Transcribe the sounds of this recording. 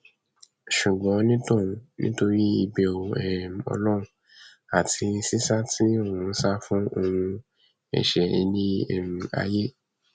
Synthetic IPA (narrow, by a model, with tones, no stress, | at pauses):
ʃu˨ɡ͡bɔ̃˨˦nĩ˦tũ˦˨˦nḭ̃˦to˧ɾi˦i˧be˧˨o˨ɛ˨m̩˨ɔ̰˧lɔ˦ɾũ˨˦ | a˨tʰi˧n̩˦si˦sa˦tʰi˦o˦˨wũ˧n̩˦sa˦fũ˦o˧ũ˧ | ɛ̰˨ʃɛ˨ɛ˧nĩ˦ḛ˦˨mĩ˨˧a̰˧je˦